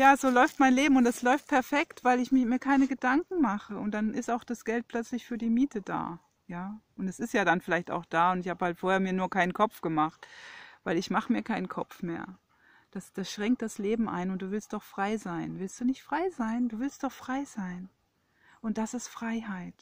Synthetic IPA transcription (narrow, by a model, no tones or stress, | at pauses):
jaːzoːlɔʏftmaɪnleːbm̩ʊntdɛslɔʏft̚pʰɛɐfɛktv̥aɪlɪçmɪmiːɐkʰaɪnəɡədaŋkŋ̩maχəʊntd̥anʔɪstaʊxd̥asɡ̥ɛlt̚pʰlœt͡slɪçfyːɐdiːmiːtʰəda̰ː | jaːʔʊntdɛsɪstjaːdanfɪlaɪçta̰ʊxd̥aːʊntɪçhaːbəhaltfoːɐheːɐmiːɐnuːɐkʰaɪnənkʰɔp͡fɡ̥əmaχtvaɪlɪçmaχəmiːɐkʰaɪnənkʰɔ̰pp͡fmeːɐ | d̥asd̥asʃʁ̥ɛŋkt̚d̥asleːbm̩ʔa̰ɪnʊnt̚d̥uːvɪlstd̥ɔχfʁ̥aɪzaɪnvɪlstd̥uːnɪçtfʁ̥aɪzaɪnduːvɪlst̚d̥ɔχfʁ̥aɪz̥aɪn | ʔʊnt̚d̥asɪstfʁ̥aɪɦaɪt